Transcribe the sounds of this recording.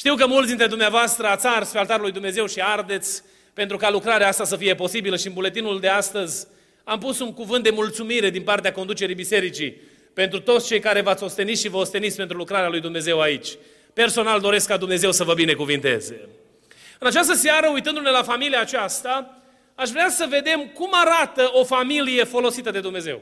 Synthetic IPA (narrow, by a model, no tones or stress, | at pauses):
ʃt̪iwkəmult̪d̪int̪ɾe̞d̪umneavoast̪ɾəat̪sarsfealt̪aɾulujd̪umneze̞wʃiard̪e̞t̪sʲ | pe̞nt̪ɾukalukɾaɾeaast̪asəfije̞po̞sibiləʃiɨnbule̞t̪inuld̪east̪əzʲ | amputsuŋkuvɨnt̪̚d̪emult̪sumiɾe̞d̪inpart̪eakond̪ut͡ʃe̞ɾibise̞ɾit͡ʃi | pent̪ɾut̪o̞t̪st͡ʃe̞jkaɾe̞vat̪sʲo̞st̪e̞nit̪ʃivəost̪e̞nit̪sʲpent̪ɾulukɾaɾealujd̪umneze̞wait͡ʃʲ | pe̞rso̞nald̪o̞ɾe̞skːad̪umne̞ze̞wsəvəbine̞kuvint̪e̞̰zḛ | ɨnat͡ʃas̬t̪əseaɾəujt̪ɨnd̪une̞lafamiliaːt͡ʃast̪a | aʃvɾeasəve̞d̪e̞mkumaɾat̪əo̞familije̞fo̞lo̞sit̪əd̪e̞d̪umnezew